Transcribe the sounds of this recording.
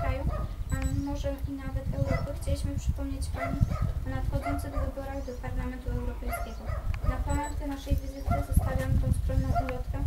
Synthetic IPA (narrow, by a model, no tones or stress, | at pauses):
kɾajuamɔʐɛinavɛt̪ɛwɾɔpɘxt͡ɕelʲiɕmɘpʂɘ̥pɔmɲet͡ɕpaɲipɔnat̪xɔd̪zɔnt̪sɘɣvɘbɔɾaɣd̪ɔpaɾlamɛnt̪uɛwɾɔpɛjskʲɛɡɔnapɔmaɾt̪ʲɛnaʂɛjvʲizɘt̪ɘzɔst̪avʲjamkɾɔnskɾɔnːɔ̃w̃ʔulʲɔt̪kɛ